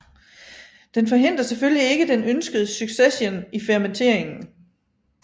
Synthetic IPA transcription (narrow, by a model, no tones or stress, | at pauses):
d̥enfɒ̽ɦe̝n̰d̥ɐseføllie̝ɡ̥əd̥enønsɡ̥əð̩ˠəsyɡ̥sesjenifɛɐment͡sʰe̝ɐ̰e̝ŋn̩